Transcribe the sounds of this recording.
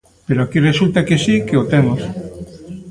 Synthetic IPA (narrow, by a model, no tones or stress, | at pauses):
peɾoakiresult̪akesikeot̪emos